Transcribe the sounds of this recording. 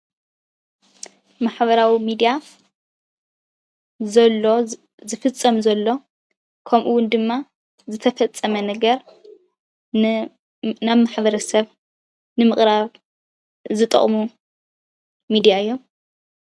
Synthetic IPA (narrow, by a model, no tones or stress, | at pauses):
maħbɐɾawimid̪ija | zɐlːo | zɨfɨt͡sʼːɐmzɐlːo̞ | kʰɐmʔuwʊnd̪ɨmːa | zɨt̪ʰɐfɐt͡sʼːɐmɐnɐɡɐɾ | n | naβmaħbɐɾɐsɐβ | nɨmɨχʼɾaβ | zɨt̪ʼɨ̰χʼmu | mid̪ijaɨjːo̞m